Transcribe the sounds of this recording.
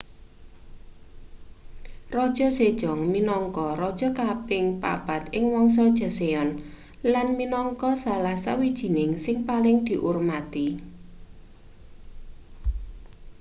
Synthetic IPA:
rɔd̥ʒ̥ɔ̤sed̥ʒ̥ɔ̤ŋminɔŋkɔɾɔd̥ʒ̥ɔ̤kapɪŋpa̰b̥a̤t̪̚ɪŋwɔŋs̬ɔd̥ʒ̥a̤seɔn | lanminɔŋkɔsalasawid̥ʒ̥i̤nɪŋsɪŋpalɪŋd̪̥i̤ʔurmat̪i

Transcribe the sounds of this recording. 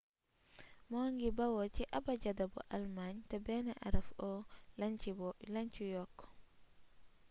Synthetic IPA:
mɔŋɡibawɔt͡ʃiʔabad͡ʒadabɔ̰ʔalmaɲtabɛnaʔa̰ɾafɔlaɲt͡ʃibɔlaɲt͡ʃijɔkːɔ̥

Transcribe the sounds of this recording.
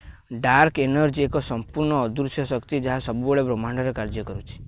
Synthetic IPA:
ɖaɾkenɔɾd͡ʒiekɔsɔmpuɾɳɔːd̪uɾsjɔsɔkt̪id͡ʒeɦasɔbubɔɭebɾomaɳɖɔɾekaɾd͡ʒjɔkɔɾut͡ʃʰi̥

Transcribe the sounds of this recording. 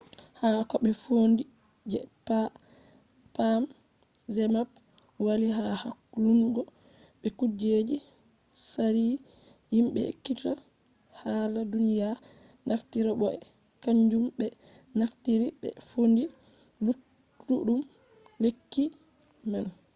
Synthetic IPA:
hakɔɓɛfondi | d͡ʒɛpːa | pam | zɛmab̚ | waliɦahakːuluŋɡɔ | ɓɛkud͡ʒed͡ʒi | saɾi | jimɓɛ̰kːita | haladunija | nʔaftiɾaɓɔɛ | kaɲd͡ʒumbɛ | naftiɾiɓɛ̰fondi | lutː | uɗum | lekːi | man

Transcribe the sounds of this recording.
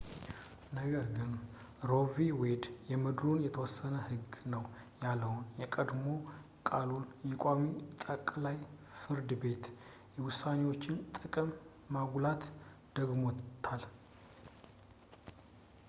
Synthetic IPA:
nəɡəɾɡɨn | ɾo̞viwed̪jɛmɨd̪ɾunjɛt̪ʰəwɔsːənəhɨɡnəw | jalːəwunjɛkʼəd̪mo̞ | kʼalunjɛkʷʼamit̪ʼəkʼlaj | fɨɾd̪ɨbe̞t̪ | jɛwʊsːanewo̞t͡ʃːɪnt̪ʼɨkʼɨmː | aɡulat̪d̪̥əɡmo̞t̪ʰːal

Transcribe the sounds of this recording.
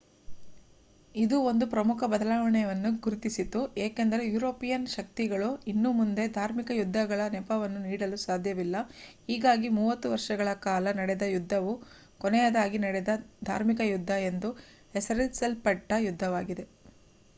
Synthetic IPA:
id̪uo̞nd̪upɾɐmukʰɐbɐd̪ɐlaːʋɐɳɛʋɐnːuɡuɾut̪isit̪ueːkend̪ɐɾe̞juːɾo̞ːpijɐnʃɐk̚t̪iɡɐɭuinːumund̪e̞d̪ʱaːɾmikɐjud̪ʱːɐɡɐɭɐnɛpɐʋɐnːuniːɽɐlusaːd̪ʱjɐʋilːɐhiːɡaːɡimuːʋɐt̪ːuʋɐɾʂɐɡɐɭɐkaːlɐnɐɽɛd̪ɐjud̪ʱːɐʋu | kɔnɛjɐd̪aːɡinɐɽɛd̪ɐd̪ʱa̰ːɾmikɐjud̪ʱːɐend̪u | esɐɾisɐlpɐʈːɐjud̪ʱːɐʋaːɡid̪e̞

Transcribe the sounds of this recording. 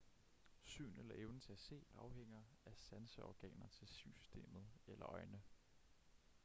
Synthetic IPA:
sy̰ːnelɐʔeʊnət͡sʰe̝æse̝̰ːɑ̈ʊɦeŋ̰ɐ | æsænsəʔɒ̰ɡ̥ɛ̰ːnɐt͡sʰe̝lsysy̥sd̥e̝̰ːmð̩ˠelɐʔɒ̽ɪnə

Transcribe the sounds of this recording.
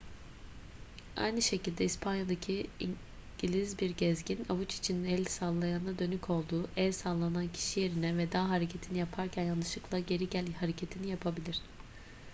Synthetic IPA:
a̰jnɯʃe̞cilʲd̪ɛispʰanjad̪acʰii | ɟ̥ilʲizbiɾɟɛzɟina̰vut͡ʃi̥t͡ʃʰinɛlʲsalˠːajannad̪ø̞nycʰo̞lˠd̪uːʔɛlʲsalˠːanancʰi̥ʃije̞ɾinɛvɛd̪aːɦaɾecʰe̞t̪ʰinijapʰaɾcʰænjanˠɯʃɯklˠaɟe̞ɾiɟælʲhaɾecʰe̞t̪ʰinijapʰabilʲiɾ̝̥

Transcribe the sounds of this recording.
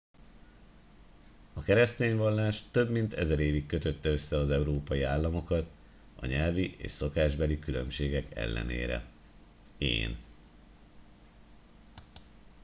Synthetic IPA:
ɒkɛɾɛst̪eːɲvɒlːaːʃt̪ø̞bmint̪ɛ̰zɛɾeːvikːø̞t̪øt̪ːɛø̞sːɛɒzɛuɾoːpɒjiaːlːɒmo̞kɒt̪ | ɒ̰ɲɛlviʔḛːʃso̞kaːʒbɛlikylø̞mʃeːɡɛkɛ̰lːɛ̰nḛːɾɛ̰ | ḛːn

